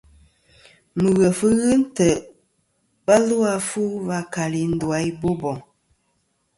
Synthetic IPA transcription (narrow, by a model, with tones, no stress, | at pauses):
mu˨ɣə˨fɨ˦ɣɨ˦n̩˦tə˨ʔ | ba˦lu˦a˦fu˦va˦ka˨li˨n̩˦dwa˨˦i˦bo˦bɔ˨ŋ